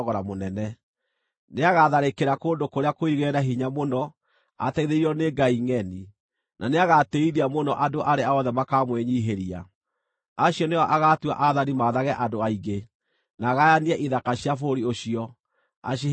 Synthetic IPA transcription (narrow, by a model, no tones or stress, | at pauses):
ɣɔɾamonɛnɛ | neaɣaðaɾekeɾakoːndokoɾeakoiɣɛːɾaɦiɲamonɔ | a̰tɛiðeɾiɾɔneɡaiŋɛni | nʔaneaɣateiðiamonɔʔadoʔaɾeaɔðɛmakamweɲiːɦeɾia̰ | aɕjɔneɔʔaɣatwa̰ʔaðanimaðaɣɛʔadoaiɡe | naːɣajaniɛʔiðakaɕjafoɾioɕiɔ | a̰ɕi